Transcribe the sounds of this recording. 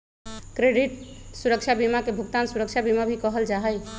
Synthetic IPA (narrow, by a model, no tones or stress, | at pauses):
kɾeɽit̪suɾəkt͡ʃʰabimakebʱukt̪ansuɾəkt͡ʃʰabimabʱikəɦəld͡ʒaɦəj